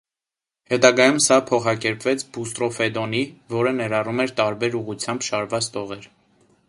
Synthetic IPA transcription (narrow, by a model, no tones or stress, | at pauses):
hɛt̪ɑɡɑjumsɑpʰɔχɑkɛɾpvɛt͡sʰbust̪ɾɔfɛd̪ɔnivɔɾənɛɾɑrumɛɾt̪ɑɾbɛɾuʁut͡sʰjɑmbʃɑɾvɑt͡st̪ʰɔʁɛɾ